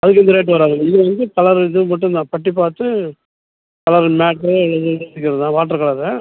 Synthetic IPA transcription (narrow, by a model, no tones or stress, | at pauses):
ɐðɯk̬ːɪnd̪ɐɾeːʈ̬ːɯʋɐɾaːŋɐɐɪðɯʋɐnd̪ɯkɐlɐɾðɯmɐʈːɯ̃nnãːpɐʈːip̬aːɾt̪ɯ | kɐlɐɾmaːʈɾɯɛɭːɐðɯesɪkːɪɾɐðɯðãːʋaːʈ̬ːɐɾɐkɐɭɐɾɛ